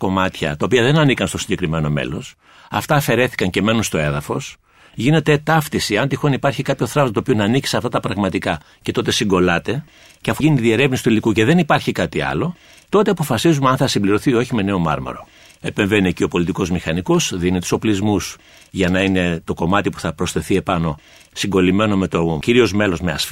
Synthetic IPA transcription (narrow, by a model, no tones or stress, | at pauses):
ko̞mɐt̪çɐ̰t̪ɐopiɐðe̞nɐnikɐnst̪o̞siɲɟe̞kɾime̞no̞mḛlo̞s | ɐ̰ft̪ɐːfe̞ɾe̞θi̥kɐɲce̞me̞nunst̪o̞e̞ðɐfo̞s | ʝine̞t̪e̞t̪ɐft̪isiɐnt̪ixo̞nipɐɾçikɐpço̞θɾɐvoɐt̪opionɐːnici̥seɐft̪ɐt̪ɐpɾɐɣmɐt̪ikɐ | ce̞t̪o̞t̪e̞siŋɡo̞lɐt̪e̞ | ceɐfuʝinit̪iðie̞ɾe̞vnisi̥t̪uilikuce̞ðe̞nipɐɾçikɐt̪iɐ̰lo̞ | t̪o̞t̪eɐpo̞fɐsizumeɐnθɐsimbliɾo̞θio̞çime̞ne̞o̞mɐ̰ɾmɐ̰ɾo̞̰ | e̞pe̞ɱve̞niecio̞po̞lit̪iko̞zmixɐniko̞sðinit̪u̥so̞plizmus | ʝɐnɐine̞t̪o̞ko̞mɐt̪ipu̥θɐpɾo̞sθe̞θie̞pɐno̞ | siŋɡolime̞no̞me̞t̪o̞ciɾio̞zme̞lo̞zme̞ɐ̰sf